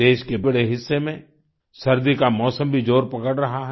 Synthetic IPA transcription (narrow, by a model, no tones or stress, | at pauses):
eːʃkebɐɽeɦɪsːemẽ | sɐɾd̪ikamɔːsə̃mbʱid͡ʒoːɾpɐkəɽɾɐɦaɦɛ